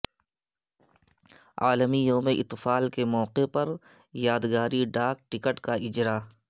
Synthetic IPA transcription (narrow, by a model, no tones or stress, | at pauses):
a̰ːləmijõːmẽʔɪt̪faːlkemɔːqepɐɾ | jaːd̪ɡaːɾiɖaːk̚ʈɪkəʈkaɪd͡ʒɾa